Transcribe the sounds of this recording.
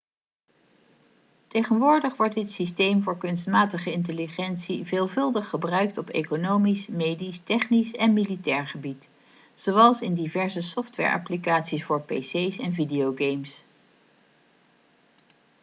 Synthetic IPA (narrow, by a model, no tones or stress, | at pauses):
tejχənʋʊːɹdəχʋɔɹt̚dɪtsistejmvʊːɹkɵnstmaːtəχəɪnt̬əliχɛntsiveːlˠvɵlˠdəχəbrœɥk̚tɔpḛkonowmismejdistɛχnisɛnmilitɛːɹχəbit | z̥owɑlˠsɪndivɛɹzəsɔftʋɛ̰ɹʔa̰plikaːtsisfʊːɹpejsejsɛnvidioɡejms